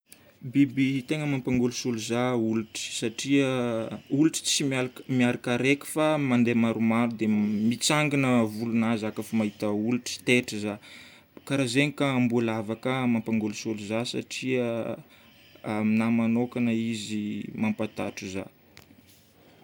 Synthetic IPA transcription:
bibit̪eŋəmampaŋɡulusuluzauluʈ͡ʂi̥saʈ͡ʂiəuluʈ͡ʂi̥t͡simaɾmiaɾakaɾeki̥famand̪emaɾumaɾud̪emit͡saŋɡinəvulunazakafamaɦit̪əuluʈ͡ʂi̥t̪eʈ͡ʂiza | kaɾazeɲikambulavakəmampaŋɡulusuluzasa̰ʈ͡ʂiə | aminamanokanəizimampat̪aʈ͡ʂuza̰

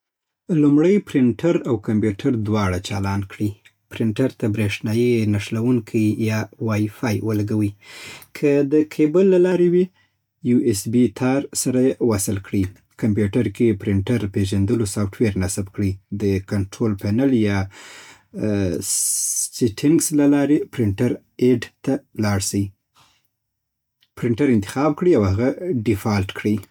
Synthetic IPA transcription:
lumɽəjpɾɪɳʈʰaɾawkampjuʈʰaɾd̪wɑɽat͡ʃɑlɑnkɽi | pɾɪɳʈaɾt̪abɾeʂnɑjinaʂlawuŋkʰijɑwɑjfɑjwəlaɡawikʰəd̪əkʰebəlːalɑɾewi | juʔesbit̪ʰɑɾsaɾajewasɪlkɽi | kʰampjuʈaɾkepɾɪɳʈaɾpeʒand̪əlosɑfʈweɾnasabkɽid̪əkaɳʈɾolpanaljɑ | siʈʰɪŋɡslalɑɾepɾɪɳʈaɾ | eɖt̪alɑɽsəi | pɾɪɳʈaɾɪnt̪ɪ̥xɑb̚kɽiawhaɣaɖɪfɑlʈkɽi

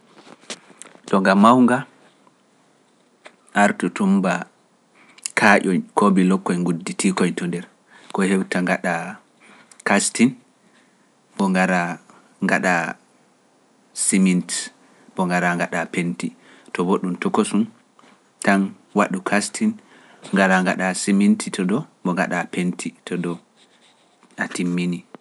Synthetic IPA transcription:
ɗɔŋɡamːawŋɡa | ʔaɾtutumba | kʰaʔɔjkʰobilɔkːɔjŋɡudːitikɔjtɔndɛɾ | kɔhewtaŋɡaɗa | kastin | bɔŋɡaɾa | ŋɡa̰ɗa | simint | bɔŋɡaɾaŋɡaɗapenti | tɔboɗumtɔkosun | tan | waɗukʰastʰin | ŋɡaɾaŋɡa̰ɗasimintʰitɔdɔbɔŋɡa̰ɗapentʰitʰɔdɔ | ʔatimːini

